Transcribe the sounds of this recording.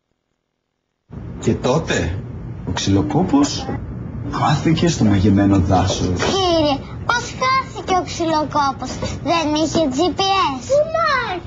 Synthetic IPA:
ce̞t̪o̞t̪e̞oksilo̞ko̞pos | xɐθice̞st̪o̞mɐʝeme̞no̞ðɐso̰ciɾe | pɐsxɐθiceoksilokoposðe̞niçe̞d͡zipies

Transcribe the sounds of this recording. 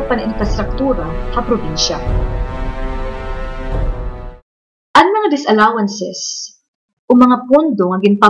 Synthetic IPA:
pɐnʔɪnkɐst̪ɾɐk̚t̪uːɾɐhɐpɾobinʃa | ʔɐŋmɐŋad̪ɪsɐlaːwɐnsɛs | ʔomɐŋapund̪oŋɐɡɪnpa

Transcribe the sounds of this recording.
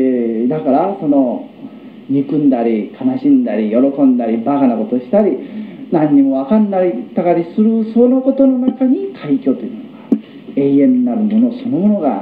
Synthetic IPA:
d̪akaɾaso̞no̞ | ɲikɯ̟̃nd̪aɾʲikanaɕĩnd̪aɾʲijo̞ɾo̞kõ̞nd̪aɾʲibakanako̞t̪o̞ɕi̥t̪aɾʲinãɲ̟ːimo̞βakãnːaɾʲit̪aɡaɾʲisɨɾɯ̟sono̞ko̞t̪o̞no̞nakaɲ̟ikʰaikʲo̞ːt̪ojɯ̟noɡa | e̞ːẽ̞nːaɾɯ̟mo̞no̞so̞no̞mo̞no̞ɡa̰

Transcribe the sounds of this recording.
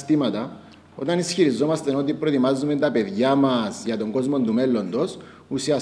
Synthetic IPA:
t̪imɐt̪ɐ | o̞̰t̪ɐnisçiɾizo̞mɐst̪eno̞t̪̬ipɾot̪imɐzːume̞nt̪ɐpe̞ðʝɐmɐsʝɐt̪o̞ŋɡo̞zmo̞nt̪ume̞lːo̞nd̪o̞s | usiɐ

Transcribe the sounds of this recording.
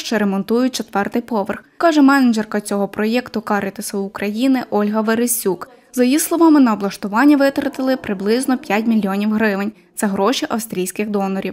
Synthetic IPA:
ʃt͡ʃɛɾemɔnt̪ujʊt̚ʲt͡ʃɔt̪ʋɛrt̪ɪjpɔʋɪrxkɑʒɛmɛnɪd͡ʒɛrkɐt͡sʲɔɦɔpɾɔjɛkt̪ʊkɑɾʲɪt̪ɪsɐʊkɾɐjinɪʔɔlʲɦɐʋeɾɪsʲuk | zɐjjislˠɔʋɑmɪnɐːblˠɐʃt̪ʊʋɑnʲːɐʋɪt̪ɾɐt̪ɪlˠɪpɾɪblˠɪznɔpʲjatʲmʲilʲːiɔnʲiwɦɾɪʋɪnʲsɛɦɾɔʃiʔɐwst̪ʲɾʲijsʲkɪxd̪ɔnɐɾʲiw

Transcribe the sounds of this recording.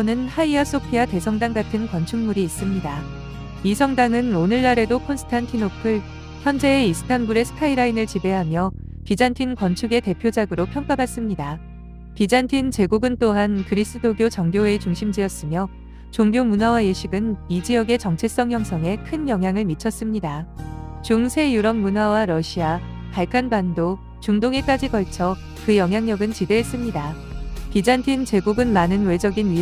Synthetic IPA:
onɯnhaias͈opʰiate̞sʰʌŋdaŋɡatʰɯnkwʌnt͡ɕʰuŋmuɾiːs͈ɯmɲida | isʰʌŋdaŋɯnonɯɭːaɾe̞dokʰonsʰtʰantʰilopʰɯɭ | çjʌnd͡ʑe̞ːisʰɯ̥kʰanbuɾe̞sʰɯ̥kʰaiɾainɯɭt͡ɕibe̞ɦamjʌ | pid͡ʑantʰinkwʌnt͡ɕʰuɡe̞te̞pʰjod͡ʑaɡɯɾopʰjʌŋk͈abas͈ɯmɲida | pid͡ʑantʰint͡ɕe̞ɡuɡɯnt͈oɦankɯɾis͈ɯdoɡjot͡ɕʌŋɡjoe̞t͡ɕuŋɕʰimd͡ʑiʌs͈ɯmjʌ | t͡ɕoŋɡjomunɦawajeɕʰiɡɯnmid͡ʑiʌɡe̞t͡ɕʌŋt͡ɕʰe̞s͈ʌŋɦjʌŋsʰʌŋe̞kʰɯnjʌŋɦjaŋɯɭmit͡ɕʰʌs͈ɯmɲidat͡ɕuŋsʰe̞juɾʌŋ̚munɦwawaɾʌɕʰia | paɭkʰanbando | t͡ɕuŋdoŋe̞k͈ad͡ʑikʌɭt͡ɕʰʌ | kɯjʌŋɦjaŋɲʌɡɯnt͡ɕideɦes͈ɯmɲida | pid͡ʑantʰint͡ɕe̞ɡuɡɯnmanɯnwe̞d͡ʑʌɡinɥi

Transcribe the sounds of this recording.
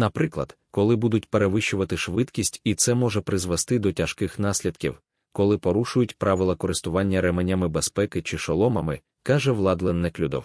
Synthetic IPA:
nɐpɾɪklˠɐ̰d̪̥ | kɔlˠɪbud̪ʊtʲpeɾeʋɪʃʊʋɐt̪ɪʃʋɪt̪kʲisʲtʲit̪sɛmɔʒɛpɾɪzʋɛst̪ɪd̪ɔtʲɐʃkɪxnɑsʲlʲid̪kʲḭw | kɔlˠɪpɔɾuʃʊjʊtʲpɾɑʋɪlˠɐkɔɾɪst̪ʊʋɑnʲːɐɾɛmenʲɐmɪbespɛkɪt͡ʃɪʃɔlˠɔmɐmɪ | kɑʒɛʋlˠɑd̪lˠɛnːɪklʲud̪ɔ̰w

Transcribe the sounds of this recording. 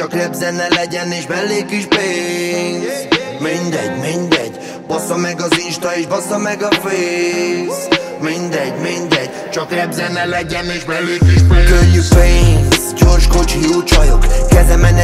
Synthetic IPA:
t͡ʃɒklɛbzɛnːɛlɛɟɛneːʃbɛlːeːkiʃpeːns | mind̪ɛɟmind̪ɛɟ | bosɒmɛɡɒziʃt̪ɒeːʒbosɒmɛɡɒfeːs | mind̪ɛɟmind̪ɛɟ | t͡ʃɒklɛbzɛnːɛlɛɟɛneːʃɛekkøljykpeːnsɟoːrʃko̞t͡ʃiut͡ʃɒjokkɛzɛmɛnɛ

